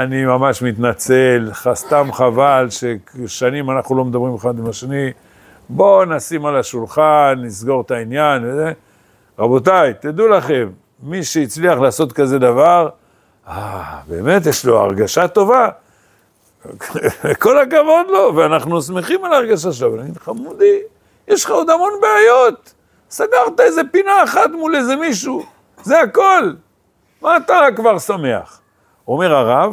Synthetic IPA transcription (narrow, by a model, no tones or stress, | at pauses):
animamaʃmit̪nat͡se̞lχast̪amχavalʃeʃanimanaχnulo̞med̪abʁimeχad̪imaʃeni | bo̞nasimalaʃulχanːisɡo̞ʁt̪ainjanveze | ʁabo̞t̪̬ajt̪id̪ulaχe̞mː | iʃeit͡sliaχlaːso̞t̪kaze̞d̪avaʁ | abe̞ːme̞t̪̬jeʃlo̞a̰ʁɡaʃat̪o̞va | eko̞lakavo̞d̪lo̞veanaχnusme̞χimalaːʁɡaʃ̬aʃelavnaɡiχamud̪i | jeʃχaod̪amo̞nbeajo̞t̪ | saɡaʁt̪aeze̞pinaeχat̪muleze̞miʃu | zeako̞l | maːt̪akvaʁsame̞a̰χ | o̞me̞ʁaʁav